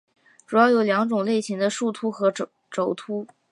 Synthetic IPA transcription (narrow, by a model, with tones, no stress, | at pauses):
ʈ͡ʂu˨˩jɑ˥˩ʊjo˨˧˩ʊljɑ˧˥ŋʈ͡ʂʊ˨˩ŋle˥˩ɪɕi˧˥ŋd̪ə˧ʂu˥˧t̪ʰu˥xɤ˧˥ | ʈ͡ʂo˧˥ʊt̪ʰu˥